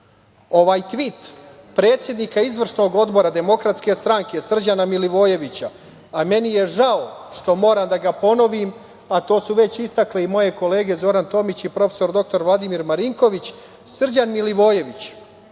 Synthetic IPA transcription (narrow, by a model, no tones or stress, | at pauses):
o̞ʋaːjt̪ʋit̪ | pɾe̞ːt̪sje̞d̪nikaizʋr̩ʂno̞ɡo̞d̪bo̞ɾad̪e̞mo̞kɾat̪ske̞st̪ɾaŋke̞sr̩d͡ʑanamiliʋo̞ːje̞ʋit͡ɕaː | me̞nijeʒaoʃt̪o̞mo̞ːɾamd̪aɡapo̞no̞ʋim | at̪o̞ːsuʋe̞t͡ɕist̪akleimo̞je̞ko̞le̞ːɡe̞zo̞ɾant̪o̞mit͡ɕipɾo̞fe̥so̞ɾd̪o̞k̚t̪o̞ɾʋlˠad̪imiɾmaɾiŋko̞ʋit͡ɕ | sr̩d͡ʑanmiliʋo̞ːje̞ʋit͡ɕ